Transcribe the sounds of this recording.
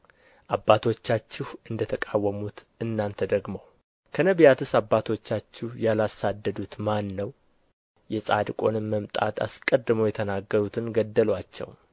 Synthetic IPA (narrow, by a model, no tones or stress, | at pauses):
ʔabːat̪ʰo̞t͡ʃːat͡ʃːɪhʔɨnd̪ət̪ʰəkʼawːəmut̪ʔɨnːant̪ʰəd̪əɡməw | kʰənəβjat̪ʰɨsabːat̪ʰo̞t͡ʃːat͡ʃːɪhjalasad̪ːəd̪ut̪manːəw | jɛsʼad̪kʼo̞nɨmːəmt̪ʼa̰t̪ʰa̰skʼəd̪ːɨməwjɛt̪ʰənaɡːəɾut̪ʰɨnɡəd̪ːəlwat͡ʃːɛ̰w